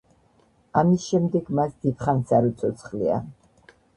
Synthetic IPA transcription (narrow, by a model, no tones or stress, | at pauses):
amisʃɛmd̪ɛɡmasd̪̥ip̪χansaɾɔt̪sʰɔt̪sʰχlḭa̰